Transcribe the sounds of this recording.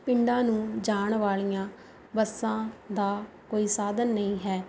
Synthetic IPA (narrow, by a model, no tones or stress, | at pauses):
pɪɳɖãːnũːd͡ʒaːɳʋaːlijãː | bəsːãːd̪aː | koːiːsaːd̪ənːəĩːɦɛː